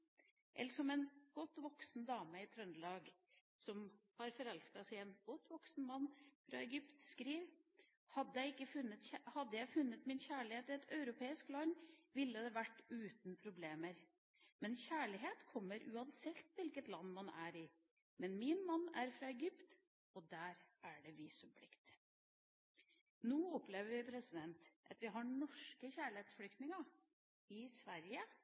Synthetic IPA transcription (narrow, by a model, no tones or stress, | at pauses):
ʔɛ̰ləʂɔmɛnɡ̥ɔt̪ːʋɔksn̩d̪ɑːməɪt̪ʰɾœnlɑːɡ | sɔmhɑɾfɔɾɛlskɑsæɪɛnɡ̥ɔt̪ːʋɔksnmɑnːfɾɑ̰ɛɡʏpt̪skɾiːʋ | hɑd̪ːəjæɪɪkːəfʉnːət̪hɑd̪ːəjæɪfʉnːət̪mɪnçæːɭɪheːt̪ɪɛt̪ʰœʉɾʊpʰeːɪsklɑnːʋɪlːəd̪ɛʋæʈːʉːt̪npʰɾʊbleːməɾ | mɛnçæːɭɪɦeːt̪kʰɔmːəɾʔʉːɑnsɛtt̪ʋɪlkət̪lɑnːmɑnæɾɪ | mɛnmɪnmɑnːæɾfɾɑːɛɡʏpt̪ | ɔd̪æːɾæɖɛʋiːsʉmpʰlɪkt̪ | noːɔpleːʋəʋɪpʰɾɛsɪd̪ɛnt̪ʔɑ̰t̪ʋɪɦɑɳɔʂkəçæːɭɪheːt̪sflʏkt̪nɪŋɑ | ɪsʋæɾjə